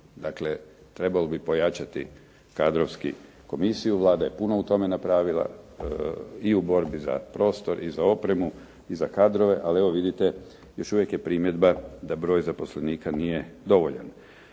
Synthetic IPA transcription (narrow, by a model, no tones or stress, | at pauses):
d̪akle | t̪ɾe̞balobipo̞jat͡ʃat̪i | kad̪ɾoʋski | ko̞misijuʋlˠaːd̪aje̞punout̪o̞me̞napɾaːʋilˠa̰ | iubo̞ɾbiza̰pɾo̞ːst̪o̞ɾʔizao̞pɾe̞mu | izakad̪ɾo̞ʋe̞ʔalieʋo̞ʋid̪it̪e̞ | jo̞ʃuʋje̞kjepɾimje̞d̪bad̪abɾo̞ːjzapo̞sle̞niːkanijed̪o̞ʋo̞ʎa̰n